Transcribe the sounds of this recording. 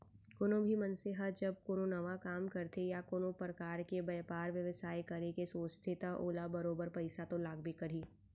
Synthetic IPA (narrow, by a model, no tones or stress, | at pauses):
koːnõbʱimɐ̃nseɦət̪d͡ʒɐb̚koːnonɐʋakaːmkɐɾt̪ejakoːnõpɾɐkaːɾkebɐːpaːɾʋjɐʋsaːikɐɾekesoːt͡ʃt̪ʰet̪aʔoːlabɐɾoːbəɾpɐɪsat̪olaːɡ̚bikɐɾ̤iː